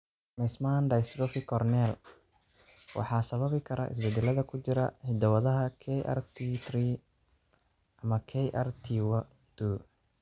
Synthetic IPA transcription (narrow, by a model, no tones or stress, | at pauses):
mɛsmand̪ɐjst̪ɾɔfɪkʰɔrnɛl | wʔɑ̰ħɑːsɐβɐβɪkʰɐɾɐ̰ɪ̰sbɛd̪ɛlɐðɐkʰʊt͡ʃɪɾɐħɪd̪ɐwɐðɐɦɐkʰɛʔa̰rt̪ʰit̪riː | ʔɐmɐkʰɛjʔa̰rt̪ʰiwɐ | d̪̥uː